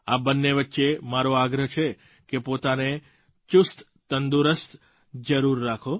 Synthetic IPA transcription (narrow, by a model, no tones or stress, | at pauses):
abənːeʋətːʃemaɾoaɡɾəɦt͡ʃʰe | kepot̪ane | t͡ʃʊst̪ | t̪ənd̪uɾəst̪ | d͡ʒəɾuɾːakʰo